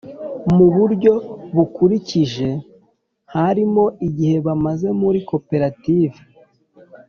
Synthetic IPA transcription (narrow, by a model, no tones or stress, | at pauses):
muβuɾɟo̞βukuɾiciʒe̞ | haɾimo̞iɟihe̞βamaze̞muɾiko̞pe̞ɾatiːve